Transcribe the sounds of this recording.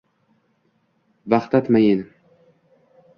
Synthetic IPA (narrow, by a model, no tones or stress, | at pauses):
vaχt̪at̪majin